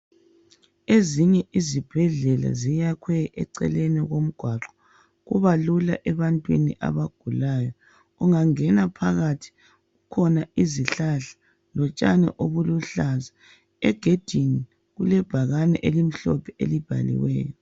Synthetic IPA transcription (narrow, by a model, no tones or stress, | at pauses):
eziɲɛʔizib̥ʱɛɮɛla̰zijakʰwɛɛǀɛ̰lenɛɣom̩ɡ̥ʱwaǁɔ̥ | ɣuβalulaʔɛβantʼwḭniʔa̰βaɡ̥ʱulaːjɔ | uŋaŋɛnapʰaɣatʰi̥ | ɣukʰɔnaiziɬaɬḁ | lɔt͡ʃʼa̰nɛ̰ʔoβuluɬaza | ɛɡ̥ʱed̥ʱini | ɣulɛb̥ʱaɣanɛʔelim̩ɬɔpʰɛelib̥ʱa̰lḭwɛ̰ːjɔ